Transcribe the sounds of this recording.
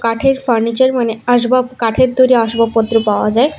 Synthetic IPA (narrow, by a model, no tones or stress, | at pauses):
kaʈʰeɾfaɾnit͡ɕəɾmaneaʃbakaʈʰeɾt̪oɾiaʃbapɔt̪ːɾopawad͡ʑae